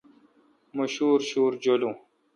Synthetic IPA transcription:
mɐɕuːɾɕuːɾd͡ʑolũː

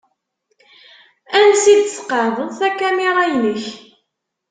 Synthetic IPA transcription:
ænsid̪θsqɑɾðˤəðˤθækːæmiʁajnəç

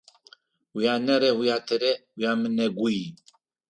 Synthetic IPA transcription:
wijaːnɛɾɛwujaːt̪ʰɛɾɛwujaːmɨnɛɡuji

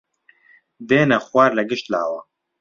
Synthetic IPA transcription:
d̪eːnɛxwaːɾlɛɡɪʃt̪la̰ːwɐ

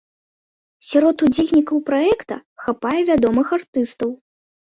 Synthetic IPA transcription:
sʲaɾɔt̪ud͡zʲelʲnʲikɐwpɾaɛkt̪ɐxapajɛvʲad̪ɔmɨxart̪ɨst̪ɐw

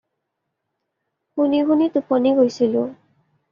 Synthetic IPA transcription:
huniɡʱunitupɔniɡojsilʊ

